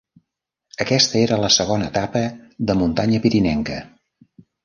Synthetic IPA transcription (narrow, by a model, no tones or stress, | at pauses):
əkɛst̪əeɾələsəɣonəːt̪apəðəmunt̪aɲəpiɾinɛŋkə